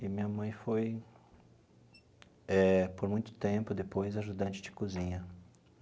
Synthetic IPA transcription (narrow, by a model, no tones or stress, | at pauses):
ɪmĩɲɐmɐ̃j̃foj | ɛpoɾmũj̃t̪ʊ̥t̪ẽpʊd̪epojzaʒud̪ɐ̃nt͡ʃɪd͡ʒɪkuzĩɲɐ